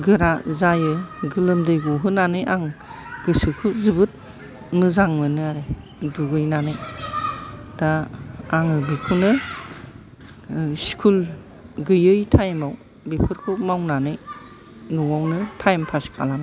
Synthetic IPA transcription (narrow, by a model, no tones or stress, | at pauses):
ɡɯɾazajɯɡɯlɯmdɯjɡɔɦɯnanɯjʔaŋ | ɡɯsɯkʰuzɯbɯt̚ | mɯzaŋmɯnɯaɾe | duɡɯjnanɯj | d̥aː | ŋɯbikʰunɯ | skʰul | ɡɯjɯjtʰajmaw | bepʰɯɾkʰumawnanɯj | nuwawnɯtʰajmpʰaskʰa̰lana